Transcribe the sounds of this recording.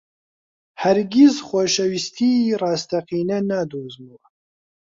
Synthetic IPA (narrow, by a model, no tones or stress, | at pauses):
hɐɾɡʲizxʷoʃɐwist̪ʰiːrɑːst̪ʰɐqiːnɐnaːd̪oːzmu